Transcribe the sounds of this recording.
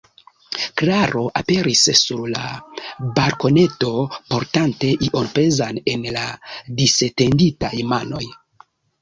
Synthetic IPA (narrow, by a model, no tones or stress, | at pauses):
klaɾo̞ʔape̞ɾissuɾla̰baɾko̞ne̞to̞po̞ɾtante̞ʔiʔo̞npe̞zane̞nladisete̞nditajmano̞j